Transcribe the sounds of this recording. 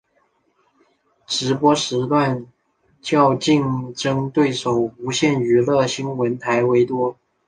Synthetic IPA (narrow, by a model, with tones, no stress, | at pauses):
ʈ͡ʂɻ̩˧˥pwɔ˥ʂɻ̩˧˥t̪wa˥˩n | t͡ɕjɑ˥˧ʊt͡ɕi˥˩ŋʈ͡ʂɤ˥ŋt̪we˥˩ɪʂo˨˩ʊu˧˥ɕjɛ˥˩ny˧˥lɤ˥˩ɕi˥nwə˧˥nt̪ʰa˧˥ɪwe˧˥ɪt̪wɔ˥